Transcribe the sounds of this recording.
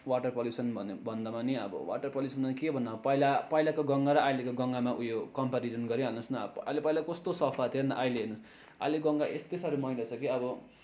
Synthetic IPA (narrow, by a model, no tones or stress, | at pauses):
waʈʌrpʌljusʌnbʱʌnbʱʌnd̪ʌmaniʌ̰bʌ̰wa̰ʈʌrpʌlusʌnʌkebʱʌnːʌpʌjlapʌjlakoɡʌŋɡaɾʌʔajlekoɡʌŋɡamaʔujokʌmpaɾid͡zʌnɡʌɾiɦʌnʌsnʌalepʌilakʌst̪osʌpʰat̪ʰienʌ̰ʔajleɦenus | a̰leɡʌŋɡaʔḛst̪esʌɾumʌilat͡sʰʌkiʌbʌ